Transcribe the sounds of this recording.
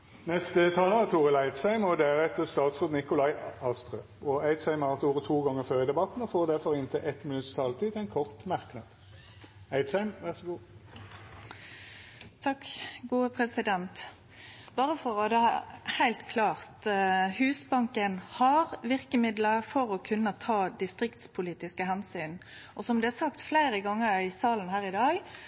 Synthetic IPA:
nɛst̪ət̪ʰɑːləʁət̪ʰuːʁəlæɪd̪sæɪmɔd̪æʁɛt̪ːəst̪ɑːt̪sʁøːd̪nɪkʊlɑɪɑst̪ʁøː | ɔæɪd̪sæɪməɑt̪uːʁət̪ʰuːɡɑŋːəʁføːʁɪd̪ɛbɑt̪n̩ɔfoːʁd̪æʁfɔʁɪnt̪ʰɪʔɛt̪mɪnʉt̪st̪ʰɑːlt̪iːt̪ʰæɪnkʰɔʁt̪mɑʁknɑd̪̥ | æɪd̪sæɪmʋæʁsɔɡuː | t̪ʰɑkɡuːəpʰʁɛsɪd̪ɛnt̪ | bɑːʁəfɔʁɔd̪ɛɑhæɪlt̪kʰlɑːʁt̪hʉːsbɑŋkənhɑʁʋɪʁkəmɪd̪ləfɔʁɔkʰʉnːət̪ʰɑːd̪ɪst̪ʁɪkt̪spʰʊliːt̪ɪskəɦɛnsyːn | ʔɔsɔmd̪ɛæsɑkt̪flæɪɾəɡɑŋːəɾæɪsɑːlən̩hæːʁɪd̪ɑːɡ

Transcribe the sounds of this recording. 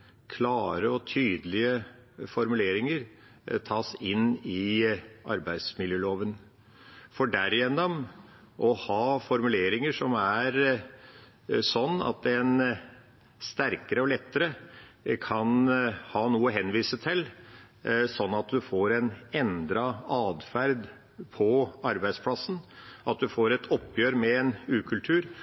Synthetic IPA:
kʰlɑːɾəɔt̪ʰyːd̪əlɪəfɔɾmʉleːɾɪŋəɾ | t̪ʰɑːsɪnɪʔɑɾbæɪd̪smɪljøːloːʋən | fɔɖæɾɪjɛnːɔm | ʔɔhɑːfɔɾmʉleːɾɪŋəʂɔmæɾ | sɔnːɑ̰t̪̚d̪ɛn | st̪æɾkəɾəɔlɛt̪ːəɾəkʰɑnhɑːnuːəɦɛnːʋiːsət̪ʰɪl | sɔnːɑt̪̚d̪ʉfoːɾɛnɛnd̪ɾɑɑːd̪fæɾd̪ | pʰɔɑɾbæɪspʰlɑsn̩ʔɑt̪̚d̪ʉfoːɾɛt̪ʰɔpːjøːɾmɛɛnʉːkʰʉlt̪ʰʉːɾ

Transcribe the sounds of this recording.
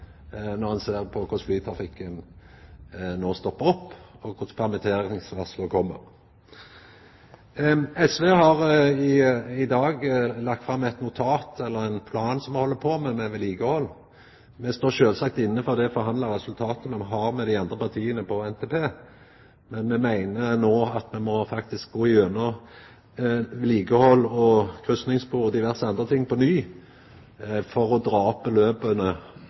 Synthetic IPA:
nɔʁhɑnseːʁpʰɔkʰʊʂflyːt̪ʰɾɑfɪkːən | noːst̪ɔpːəɾɔpːɔkʰʊspʰæʁmɛt̪ʰeːɾɪŋsʋɑslɔkʰɔmːəʁ | ɛsʋeːɦɑʁɪɪd̪ɑːɡlɑk̚t̪fʁɑmːɛt̪nʊt̪ʰɑːt̪ɛlːəʁɛnpʰlɑːnsɔmɛhɔlːəpʰoːmɛmɛʋɛliːɡəhɔlː | mɛst̪oːʃøːlsɑk̚t̪ɪnːəfɔʁd̪ɛɔfɔɾɦɑnd̪lɑɾɛsʉlt̪ʰɑːt̪əmɛɦɑʁmɛd̪æɪɑnd̪ʁəpɑʁt̪ʰiːənəpʰɔɛnt̪ʰeːpʰeː | mɛnmɛmæɪnənoːɑt̪mɛmɔfɑkt̪ɪsk̚ɡoːɪønɔ | ʋɛliːɡəhɔlːɔkʰʁʉst̪nɪŋsbʁuːɔd̪ɪʋæʁsəɑnd̪ʁət̪ʰɪŋːpɔnyː | fɔʁɔd̪ɾɑːɔpːəløːbənə

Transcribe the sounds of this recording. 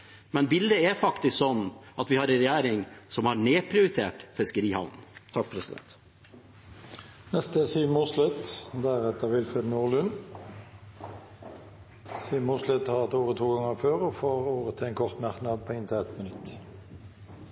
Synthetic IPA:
mɛnbɪld̪əæɾfɑkt̪ɪsksɔnːʔɑt̪ʋɪhɑɾɛnɾɛjæːɾɪŋsɔmhɑɳeːpʰɾɪʊɾɪt̪ʰḛːʈfɛskəɾiːhɑ̰ʋnt̪ʰɑk̚pʰɾɛsɪd̪ɛ̰nt̪ | nɛst̪əsyːmuslɛt̪d̪æʁɛt̪əʋɪlfʁed̪nuːʁlʉn | syːmʊslɪt̪hɑːt̪oːʁət̪ʰuːɡɑŋəʁføːʁɔfoːɾoːʁət̪ʰɪɛnkʰɔʁt̪mæʁknɑd̪̚pʰɔːɪnt̪ʰəɛt̪mənʉt̪

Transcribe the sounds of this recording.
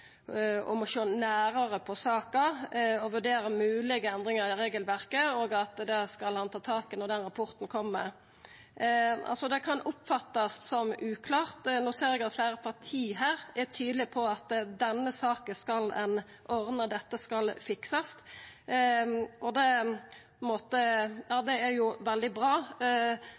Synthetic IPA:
ɔ̰mɔʂoːnæːɾəɾəpʰɔsɑːkəɔʋʉɖeːɾəmʉːlɪɡəɛnd̪ɾɪŋɑɾɪɾeːɡəlʋæɾkəoːɡɑt̪d̪ɛskɑlhɑnt̪ʰɑːt̪ʰɑːkɪnɔd̪ɛnɾɑpʰɔɾt̪nkʰɔmːə | ɑ̰lsɔd̪ɛkʰɑnʔʊpfɑt̪ːɑst̪sɔmʔʉːkʰlɑːʁt̪nuːseːɾɛɡɑt̪flæɪɾəpʰɑɾt̪ʰiːɦæːɾæt̪ʰyːd̪əlɪpʰɔɑt̪d̪ɛnːəsɑːkəskɑlɛn | ʔɔʁnəd̪ɛt̪ːəskɑlfɪksɑst̪ | ʔɔd̪ɛ | moːt̪əjɑːd̪ɛæɾjʊʋɛld̪ɪbɾɑː

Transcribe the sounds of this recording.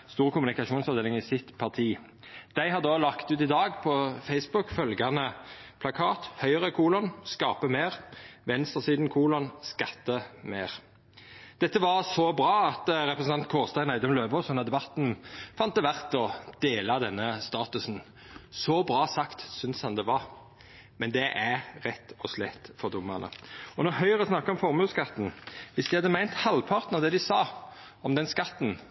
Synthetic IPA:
st̪uːʁəkʊmʉnɪkɑʃuːnsɔʋd̪eːlɪŋɪsɪt̪pʰɑʁt̪ʰiː | d̪̥æɪhɑʁd̪oːlɑkt̪ʉːt̪ɪd̪ɑːɡpʰɔfɛɪsbʊkfœlɡɑnəpʰlɑkʰɑːt̪hœʏəʁəkʰuːlɔnskɑːpəmeːʁʋɛnst̪ʁəsiːd̪n̩kʰuːlɔnskɑt̪ːəmeːʁ | d̪̥ɛt̪ːəʋɑʁsɔbɾɑːɑt̪ʁɛpʁəsn̩ʰɑnt̪̚kʰoːʁst̪æɪnæɪd̪ɔmløːbɔsɔnɑd̪ɛbɑt̪nfɑnt̪ːəʋæʁt̪ɔd̪̥eːlɑd̪ɛnːəst̪ɑːt̪ʉsn̩ | sɔbɾɑːsɑkt̪sʏnshɑnd̪ɛʋɑʁ | mɛnd̪ɛʔæɾʁɛt̪ːɔslɛt̪fɔd̪ʊmːɑnə̰ɔnɔhœʏəʁəsnɑkːɑɔmfɔʁmʉːskɑt̪n̩ʋɪsd̪ɪhɑd̪ːəmæɪnt̪hɑlpʰɑʁt̪nɑʋd̪ɛd̪ɪsɑː | ɔmd̪ɛnskɑt̪ːn̩

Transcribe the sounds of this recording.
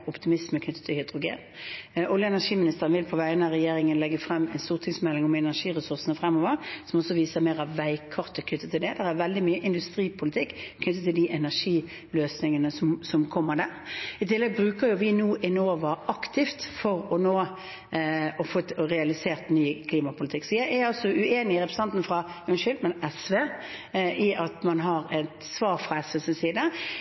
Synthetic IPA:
ʊpt̪ɪmɪsməkʰnʏt̪ːə̥t̪ʰːɪlhʏd̪ʁʊɡḛːnʔʊljəɛnæʂiːmɪnɪst̪əʁənʋɪlpʰɔʋæɪənəʁɛjeːɾɪŋənlɛɡːəfɾɛmːɛnst̪uːʁt̪ʰɪŋsmɛlːɪŋɔmɛnæʂiːʁɛsʊɾsənəfʁɛmːoːʋəɾsɔmɔsːɔʋiːsəɾmeːʁɑʋʋæɪkʰɑʁt̪əkʰnʏt̪ːət̪ʰɪld̪ɛd̪æʁæɾʋɛld̪ɪmyːəʔɪnd̪ʉst̪ɾiːpʰʊlɪt̪ʰɪkːkʰnʏt̪ːət̪ʰːɪld̪iʔɛnæʂiː | løːsnɪŋənəsɔmsɔmkʰɔmːəd̪æːɾɪt̪ɪlːɛɡ̚bɾʉːkəɾjʊʋɪnuːʔɪnoːʋɑɑkt̪ʰɪft̪fɔɾɔnoː | ɔfoːt̪ɔʁɛɑlɪseːʁt̪nyːkʰliːmɑpʊlɪt̪ʰɪkːsɔjæɪæɾɑlsɔʔʉeːnɪɪɾɛpɾɛsɑnt̪nfɾɑjʉnʃʏlmənɛsʋeːʔɪɑt̪mɑnɦɑʁɛt̪sʋɑːɾfʁɑɛsʋɛsɪnsiːd̪ə

